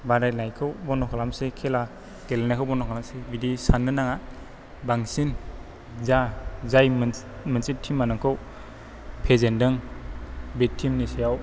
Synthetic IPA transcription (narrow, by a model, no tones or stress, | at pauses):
badajnajkʰɯwbɔnɔkʰalamsekʰela | ɡ̥elnakʰɯwbɔnɔkʰalamsebidisanːɯnaŋa | baŋsin | zazajmmɯnt͡ʃitʰːimanɯŋkʰɯw | pʰezendɯŋ | betʰːimnisejaw